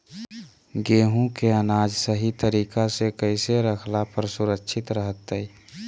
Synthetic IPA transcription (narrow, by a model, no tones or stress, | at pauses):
ɡeːɦũkeənaːd͡ʒsəɦit̪əɾiːkasekəɪseɾəkʰlapəɾsʊɾəkʃʰɪt̪ɾəɦət̪ːəi